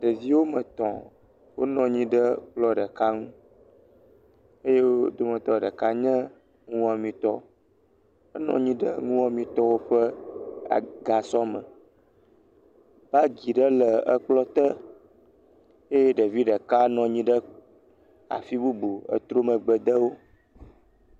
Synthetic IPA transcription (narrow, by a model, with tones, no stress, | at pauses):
ɖə˨vi˦wo˦mə̃˨t̪ɔ̰̃˨ | wo˦nɔ̃˨ɲĩ˦ɖə˦k͡plɔ˦ɖə˨ka˦ŋũ˦ | e˦je˦wo˦d̪o˦mə̃˨t̪ɔ˦˨ɖə˨ka˦ɲə̃˦ | ŋũ˦a˨mĩ˨t̪ɔ˦ | ə˦nɔ̰̃˦ɲĩ˦ɖə̰˦ŋũ˦a˨mĩ˨t̪ɔ˦wo˦ɸə˦a̰˨ɡa˨sɔ˦mə̰̃˨ | b̥a˦ɡi˨ɖə˦lə˨ə˦k͡plɔ˦t̪ə˦ | e˦je˦ɖə˨vi˦ɖə˨ka˦nɔ̃˨ɲĩ˦ɖə˦ | a̰˨fi˦bu˦bu˨ə̰˨t̪ɾo˦mə̃˨ɡ͡bə˨d̪ə˦wo˦